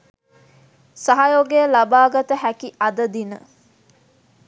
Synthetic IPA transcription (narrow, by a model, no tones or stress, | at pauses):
sɐɦɐjoɡeːlɐbaːɡɐt̪əɦækiʔɐd̪ɐd̪inə